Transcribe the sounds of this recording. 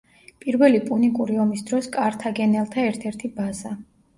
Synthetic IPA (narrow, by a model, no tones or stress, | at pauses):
pʼiɾvɛlipʼunikʼuɾiɔmisd̪ɾɔskʼaɾt̪ʰaɡɛnɛlˠt̪ʰaɛɾt̪ʰɛɾt̪ʰibaza